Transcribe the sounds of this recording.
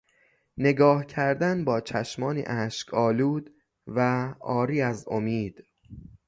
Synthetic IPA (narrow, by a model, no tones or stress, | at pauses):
ne̞ɡɒːhcʰæɾd̪ænbɒːt͡ʃʰæʃmɒːnḭːʔæʃcʰɒːluːd̪ | væɒːɾiːæzo̰miːd̪̥